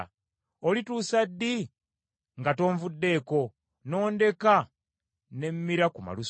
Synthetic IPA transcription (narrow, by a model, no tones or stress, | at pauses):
olituːsadːi | ŋɡato̞ːɱvudːe̞ːko̞ | no̞ːnde̞ka | ne̞mːiɾakuma̰lus